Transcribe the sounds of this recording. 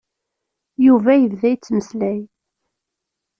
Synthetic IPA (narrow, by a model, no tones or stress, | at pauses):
juvæjəvðæjt͡sːməslæj